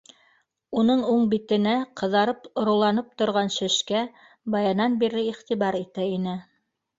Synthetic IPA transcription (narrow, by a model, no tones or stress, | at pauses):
unɤɴuɴbit̪ɘ̆næqʰɤ̆ðɑɾɤpŏɾŏlˠɑnɤp̚t̪ŏɾʁɑnʃɘ̆ʃkæ | bɑjɑnɑnbiɾɘiχt̪iβɑɾit̪æinɘ